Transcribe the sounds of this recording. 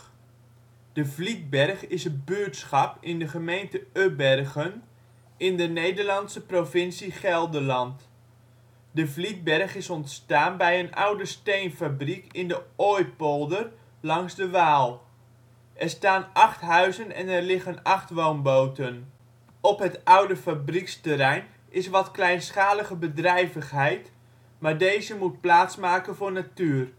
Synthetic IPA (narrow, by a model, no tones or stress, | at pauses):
d̥əvlit̚bɛrχɪsəbøːtsχɑpɪndəχəmejntəøbɛrɣən | ɪndənejdərlɑnsəprofɪnsiχɛlˠdəlɑnt | dəvlit̚bɛrχɪsɔntstaːnbɛjənʔa̰wdəstejnfabrikɪndəɔjpolˠdər | lɑŋzdəʋaːlˠ | ʔɛrstaːnʔɑχtɦœɥzənɛ̰nɛrlɪχənɑχtʋownbowtən | ɔpɦətʌwdəfabrikstərɛjn | ʔɪsʋɑtklɛjnsχaːləχəbədrɛjvəχɦɛjt | maːrdejzəmut̚plaːtsmaːkənvʊːrnatyːr